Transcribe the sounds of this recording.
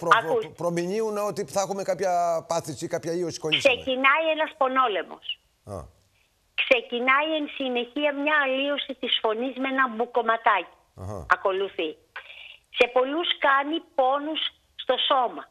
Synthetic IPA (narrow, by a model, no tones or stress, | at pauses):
pɾoɐkuspɾomiɲiuneot̪iθexumekɐpçɐpɐθisikɐpçɐiosi̥kolkise̞cinɐie̞nɐspo̞no̞le̞mo̞̰s | ɐ̰ | kse̞cinɐie̞nsine̞çiɐmɲɐːliosit̪isfo̞nizmenɐmbuko̞mɐt̪ɐci̥̰ | ɣɐ̰ɐko̞luθi | se̞po̞luskɐnipo̞nusː | t̪o̞so̞mɐ